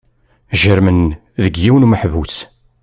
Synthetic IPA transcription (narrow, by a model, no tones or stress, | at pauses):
ʒəɾmən | ðəɡjiwnməħvut͡s